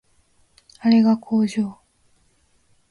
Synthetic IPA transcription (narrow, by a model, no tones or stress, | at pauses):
aɾe̞ɣakʰoːd͡ʑo